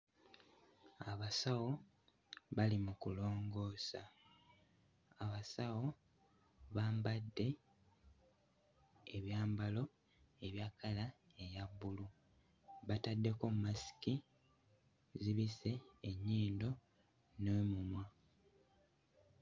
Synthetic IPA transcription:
aβasawo̞ | βalimukulo̞ːŋɡo̞ːsa̰ | aβasawo̞ | βaːmbadːe̞ | eβjaːmbalo̞ | eβjakala | e̞jaβːulu | βatadːe̞ko̞mmasi̥ki | ziβise̞ːɲːiːndo̞ | nemumwa

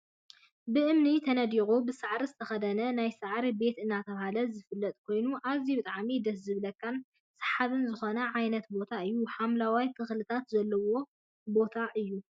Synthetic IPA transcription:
bɨʔɨmnit̪ʰɐnɐd̪iɣubɨsaʕɾizɨt̪ʰɐxɐd̪ɐnɐnajsɨʕɾibe̞t̪ɨnːat̪ʰɐβahalɐzɨfɨlːɐt̪ʼkʰo̞jnuʔazibɨt̪ʼaʕmid̪ɐs̬zɨβlɐkːan | sɨ̥ħaβɨnzɨxo̞nɐʕajnɐt̪bo̞t̪ʰaɨjːuħamlawajk̪ʰɨxlɨt̪ʰat̪zɐlːɐwo̞ | bo̞t̪ʰaʔɨjːu

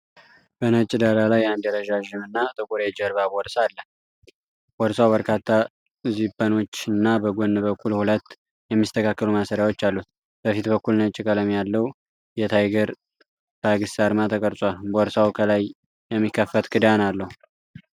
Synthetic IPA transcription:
b̥ənət͡ʃʼːɪd̪alalajand̪ɛɾəʒaʒɪmɨnːat̪ʼɨkʼuɾed͡ʒəɾβabɔɾsalːəh | b̥ɔɾsawbəɾkʰat̪ʰːa | zipʼːəno̞t͡ʃːɨnːabəɡonːɨbəkʰːulhulət̪ː | jɛmːist̪ʰəkʰakːəlumasəɾjawo̞t͡ʃːalːut̪̚ | b̥əfit̪bəkːulnət͡ʃʼːɪkʼələmjalːəwu | jɛt̪ʰajɡəɾ | b̥aɡɨsaɾmat̪ʰəkʼəɾsʼʷalbɔɾsawkʰəlaj | jɛmːikːəfːət̪kʰɨd̪analːəhu

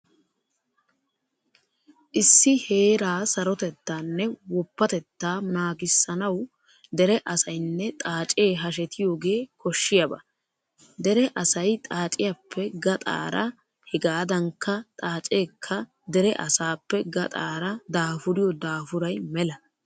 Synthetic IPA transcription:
ʔɪsːɪhe̞ːɾaːsɐɾɔt̪ɛt̪ːanːɛwɔpːɐt̪ɛt̪ːaːnaːɡɪsːɐnɐw | d̪ɛɾɛʔɐsɐjnːɛt̪ʼaːt͡ʃʼe̞ːɦɐʃ̬ɛt̪ʰɪjoːɡe̞ːkɔʃːɪjɐbɐ̰ | d̪ɛɾɛʔɐsɐjt̪ʼaːt͡ʃʼɪjapʰːɛɡɐt̪ʼa̰ːɾɐ | hɛɡaːd̪ɐŋkʰːɐt̪ʼaːt͡ʃʼe̞ːkʰːɐ | d̪ɛɾɛʔɐsaːpːɛɡɐt̪ʼaːɾɐd̪aːfʊɾɪjɔd̪aːfʊɾɐjmɛlɐ

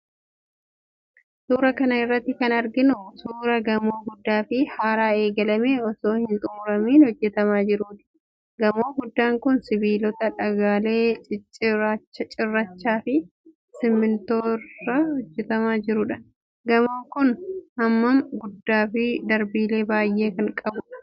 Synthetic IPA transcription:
suːɾɐkɐnɐɪrːɐt̪ːɪkɐnɐɾɡɪnʊsuːɾɐɡɐmo̞ːɡʊd̪ːaːfɪhaːɾaːe̞ːɡɐlɐmeːɔso̞ːhɪnt̪ʼʊmʊɾɐmiːnhɔd͡ʒːɛt̪ɐmaːd͡ʒɪɾuːt̪ɪ̥ | ɡɐmo̞ːɡʊd̪ːaːŋkʊnsɪbiːlɔt̪ɐᶑɐɡaːle̞ː | at͡ʃːɐt͡ʃʼɪrːɐt͡ʃːaːfɪ | sɪmːɪnt̪oːrːɐhɔd͡ʒːɛt̪ɐmaːd͡ʒɪɾʊᶑɐ̥ | ɡɐmoːkʊnɐmːɐmɡʊd̪ːaːfɪd̪ɐɾbiːle̞ːbaːjːʔe̞ːkɐŋkʼɐbʊᶑɐ̥

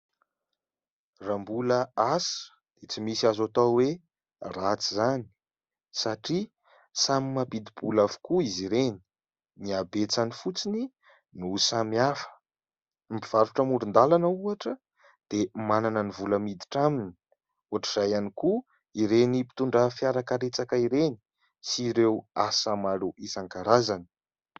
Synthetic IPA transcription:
rambuləasə̥ | d̪̥et͡simisiazat̪awe | rat͡sizani̥ | saʈ͡ʂi | samimapid̪ib̥ulafu̥kuiziɾeni̥ | niabet͡sanifut͡sini | nusamiafə̥ | mbiv̥aɾuʈ͡ʂəmuɖ͡ʐund̪alanəuaʈ͡ʂə | d̪̥emananənivuləmid̪i̥ʈ͡ʂamini̥ | uaʈ͡ʂiz̥ajaniku | iɾenipi̥t̪uɳɖ͡ʐəfjaɾakaɾet͡sakaiɾeni̥ | siɾewasamaluʔisaŋkaɾazani̥

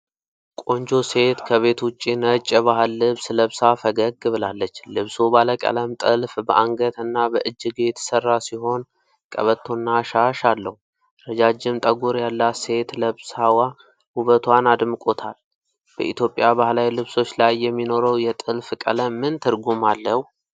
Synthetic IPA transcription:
kʼo̞nd͡ʒo̞se̞t̪kʰəβe̞t̪wʊt͡ʃʼːinət͡ʃʼːβaɦɨlːɨβsləβsafəɡəɡbɨlalːət͡ʃːlɨβsubaləkʼə̰ləmt̪ʼɨlfbəʔaŋɡət̪ɨnːabəʔɨd͡ʒːɨɡt̪ʰsərːasiɦo̞n | kʼə̰βət̪ʰːonːaʃaʃalːəhu | ɾəd͡ʒad͡ʒːɪmt̪ʼəɡuɾjalːase̞t̪ləβsawa | huβət̪ʰwanad̪mɨkʼo̞t̪ʰal | b̥ə̰ʔit̪jo̞pʼjaβahlawilɨβso̞t͡ʃːlajːɛmːino̞ɾəwjɛt̪ʼɨlfkʼə̰ləmːɨnt̪ʰɨɾɡumalːəhu

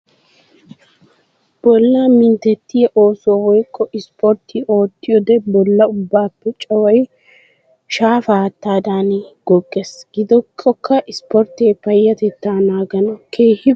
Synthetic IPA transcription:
b̥ɔlːɐmɪnt̪ɛt̪ːɪɛʔo̞ːsoːwɔjkʰʼːɔʔɪspɔɾt̪ːɪo̞ːt̪ːɪjɔd̪ɛbɔlːɐʊbːaːpːɛt͡ʃʼɐwɐj | ʃaːfaːt̪ːaːd̪aːniɡ̥ɔɡʼːɛsɡ̥ɪd̪ɔkʰʼːɔkʰːɐʔɪspɔɾt̪eːpɐjːɐt̪ɛt̪ːaːnaːɡɐnɐkʰe̞ːhɪ

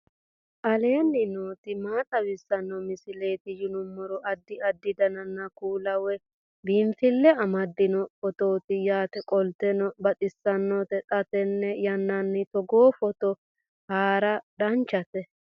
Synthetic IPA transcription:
ʔɐle̞ːnːɪnoːt̪ɪmaːt̪ʼɐbɪsːɐnːɔmɪsɪle̞ːt̪ɪjɪnʊmːɔɾɔʔɐd̪ːɪɐd̪ːɪd̪ɐnɐnːɐkuːlɐwɛ | biːnt̪ɪlːɛɐmɐd̪ːɪnɔfɔt̪oːt̪ɪjaːt̪ɛkʼɔlt̪ɛnɔbɐt̪ʼɪsːɐnːɔt̪ɛt̪ʼɐt̪ɛnːɛjɐnːɐnːɪt̪ɔɡoːfɔt̪ɔ | haːɾɐdɐnt͡ʃːɐt̪ɛ

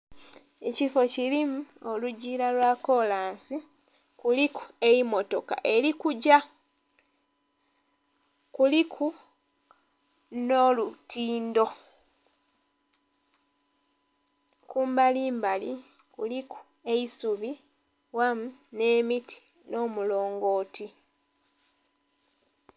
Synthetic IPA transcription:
e̞cifo̞cilimuo̞luɟiːlalwako̞laːnsi | kuliku̥e̞imo̞to̞ka̰ʔe̞ɾikuɟa | kulikʰu | nolutiːndo̞ | kuːmbaliːmbali | kuliku̥ | e̞isuβi | wamune̞ːmitʰi̥ | no̞ːmulo̞ːŋɡo̞ːtʰi

